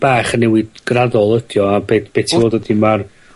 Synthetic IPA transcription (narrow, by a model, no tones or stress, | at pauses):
b̥aːχənːɛwɪdɡ̥radɔlˠədjɔabeːθb̥eːtʰivoːdwədimar